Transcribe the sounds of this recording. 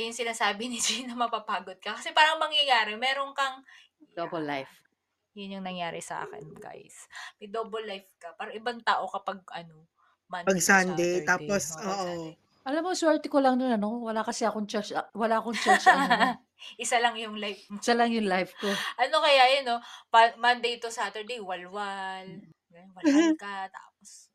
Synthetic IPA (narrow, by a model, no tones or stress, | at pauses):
jʊŋsɪnaːsaːbɪnɪd͡ʒinɐmɐpapaːɡod̪̚kɐkɐsɛpaːɾɐŋmɐŋjɐjaːɾɛmɛːɾoŋkɐŋ | d̪obɐlːajf | jʊnjʊŋnɐŋjaːɾɪsɐʔa̰ːkɛ̰nɡ̥a̰jsmɐjd̪oːbɐlːajfkɐpaːɾɐʔɪbaŋt̪aːʔokɐpɐɡ̚ʔɐno | mɐpɐɡsand̪ɛjt̪aːposʔoːʔo | ʔɐlamkoswɛɹt̪ɪkolɐŋnonɐno̞wɐlakɐsɛʔɐkoŋt͡ʃɐʃɐwɐlaːʔɐkoŋt͡ʃaʃ | ʔɪsalɐŋjʊŋlajfsalɐŋjʊŋlajfkoʔɐnokɐjaʔjonopamand̪ejt̪osaːt̪ɛɹd̪ejwɐlwal | wɐkɐt̪a̰ːpos